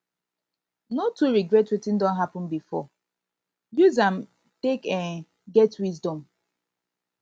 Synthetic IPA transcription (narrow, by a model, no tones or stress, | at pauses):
notuɹiɡɹɛtwetĩndɔ̃nɦapɔ̃nbifɔ̰ | juzãm | tekɛ̃n | ɡɛtwizdɔ̃m